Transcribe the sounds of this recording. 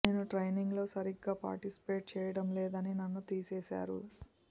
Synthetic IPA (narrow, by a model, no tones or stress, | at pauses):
ne̞ːnuʈɾɐjniŋɡlo̞ːsɐɾiɡːaːpa̰ːɾʈisi̥pe̞ːʈ̚t͡ʃɛːjɐɽɐmlɛːd̪ɐninɐnːut̪iːseːsa̰ːɾṵ